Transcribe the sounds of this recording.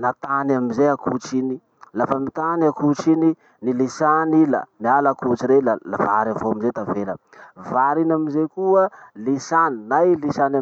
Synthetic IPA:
nat̪anaminzeakut͡ʃini | lafamit̪aniakut͡ʃini | nilisanila̰nialakut͡ʃiɾelala̰vaɾavoamizet̪avelə | vaɾinamizekuəlisaninajlisana

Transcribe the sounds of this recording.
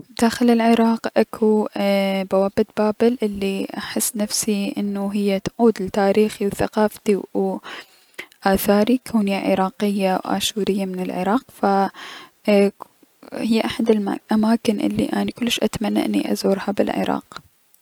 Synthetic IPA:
d̪̥aːxɪlɪlʕɪɾˤɑːqʔakʰu | bawaːbɪt̪̚baːbɪlʔɪlːiʔaħɪsːnafsiʔɪnːuɦɪjːat̪ʕuːd̪lɪt̪aːɾiːxiwθa̰qɑːft̪iw | ʔaːθaːɾikʰaːniaʕɪ̰ɾˤɑːqɪjːawʔa̰ːʃuːɾɪjːamɪnɪlʕɪ̰ɾˤɑːqfa | hɪjːʔaħad̪ɪlʔamaːkɪnʔɪ̰lːḭʔaːnikʊlːɪʃʔat̪amanːa̰ʔɪnːḭʔa̰zuːɾhabɪ̰lʕɪ̰ɾˤɑ̰ːq

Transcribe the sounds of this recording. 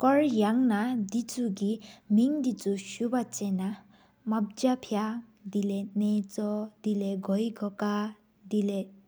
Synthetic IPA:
kɔɾjaŋnad̪it͡suɡimiŋd̪it͡suʃubat͡sena | mab̚d͡ʒapʰjad̪ilenet͡sɔd̪̥ileɡʱɔjɡʱɔka | d̪ile

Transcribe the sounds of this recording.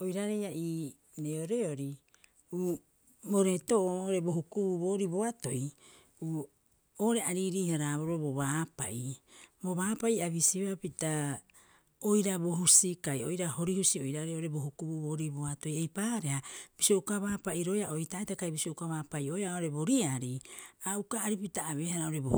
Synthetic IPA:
ojɾaɾe̞jaʔiː | neoɾe̞oɾi | uː | boɾe̞toʔoʔoɾe̞bo̞ɦukubuβo̞ːɾibo̞ato̞j | uː | oːɾe̞aɾiɾiːhaɾaːβoɾoboβaːpa̰ʔibo̞βaːpaiaβisiβapita | o̞jɾabo̞ɦusikajojɾaho̞ɾihusio̞jɾaɾeoɾe̞bo̞ɦukubuβo̞ːɾibo̞ato̞jejpaːɾe̞hab̥isio̞ukaβaːpaʔiɾo̞jaʔojtaetakajbisio̞ukaβaːpajojaoɾe̞bo̞ɾiaɾiaukaːɾipitaːβe̞ːhaɾaoɾe̞bo̰

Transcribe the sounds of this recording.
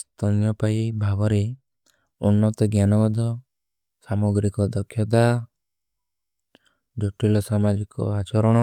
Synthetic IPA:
st̪ɔnjɔpajbʱabɔɾe | unːɔt̪ɔɡjanɔɡɔd̪ɔ | samoɡɾikɔd̪ɔkʰːjɔt̪a | d͡ʒoʈɾilɔsamad͡ʒikɔ̰at͡ʃɔɾɔɽ̃ɔ

